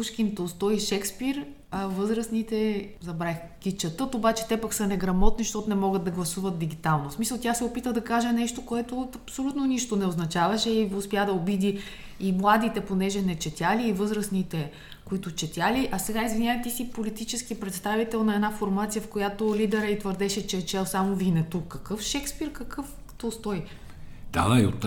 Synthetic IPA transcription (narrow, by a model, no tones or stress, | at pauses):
uʃkint̪ost̪ɔiʃɛkspiɾ | ɐvɤzɾəsnit̪ɛzɐbɾax | kʲit͡ʃɐt̪ɤt̪obat͡ʃɛ̥t̪ɛpɐksənɛɡɾɐmɔt̪niʃt̪ɔt̪nɛmɔɡəd̪̚d̪ɐɡlˠɐsuvɐt̪̚d̪iɡ̟it̪alˠnosmisəlˠt̪ʲasɛopit̪əd̪ɐkaʒɛnɛʃt̪okoɛt̪oɐpsolʲut̪noniʃt̪onɛoznɐt͡ʃavɐʃɛiʊspjad̪ɐobid̪iː | mlˠad̪it̪ɛponɛʒɛnɛt͡ʃɛt̪ʲjaliːvɤzɾɐsnit̪ɛ | koit̪ʊt͡ʃɛt̪ʲjaliʔɐsɛɡaizvinʲjaət̪isipolit̪it͡ʃɛsk̟ipɾɛt̪st̪avit̪ɛlˠnɐɛd̪nafoɾmat̪sijəfkojat̪olʲid̪ɛɾəit̪vəɾd̪ɛʃɛt͡ʃɛt͡ʃɛlˠsamovinɛt̪ukːɐkɤfʃɛkspiɾkɐkɤf | t̪ɔst̪ɔi | d̪̥a̰aio̰t̪